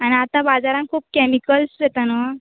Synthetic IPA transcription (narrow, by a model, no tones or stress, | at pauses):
añiat̪ãbad͡zaɾãŋkʰuːp̚kɛmikəlset̪anə